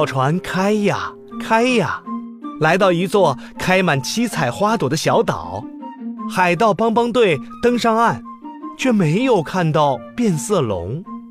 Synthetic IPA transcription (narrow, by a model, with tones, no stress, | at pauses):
ʊʈ͡ʂʰwa˧˥nkʰa˥ɪja˨˩ | kʰa˥ɪja˨˩la˧˥ɪt̪ɑ˥˩ʊi˧˥t͡swɔ˥˩ | kʰa˥ɪma˨˩nt͡ɕʰi˥t͡sʰa˨˩ɪxwa˥t̪wɔ˨˩d̪ə˦ɕjɑ˧˥ʊt̪ɑ̰˨˩˦ʊxa˨˩ɪt̪̬ɑ˥˩ʊpɑ˥ŋpɑ˥ŋt̪̬we˥˩ɪt̪ɤ˥ŋʂɑ˥ŋa˥˩n | t͡ɕʰɥɛ˥˩me˧˥ɪjo˨˩ʊkʰa˥˧nt̪ɑ˥˧ʊpjɛ˥˧nsɤ˥˩lʊ̰˧˥ŋ